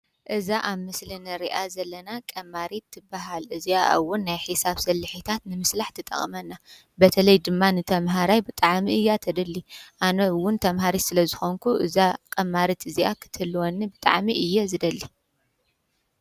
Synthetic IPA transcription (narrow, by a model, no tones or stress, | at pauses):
ʔɨzaʔaβmɨslinɨɾiʔazɐlːɐnakʼɐmːaɾit̪ʰːɨbːaɦalʔɨziaʔwːʊnːajħisaβsɐlːɨħit̪ʰat̪nɨmɨslaħt̪ʰɨt̪ʼɐ̰χʼmɐnːa | bɐt̪ʰɐlɐjd̪ɨmːanɨt̪ʰɐmɦaɾajbɨt̪ʼaʕmiɨjːat̪ʰɐd̪ɐlːiʔanɐwʊnt̪ʰɐmɦaɾisɨlɐzɨxo̞ŋkʰuʔɨzakʼɐmːaɾit̪ʰɨziʔa̰kʰɨ̥t̪ʰɨlːwonːibɨt̪ʼa̰ʕmiʔɨjːɛzɨd̪ɐlːi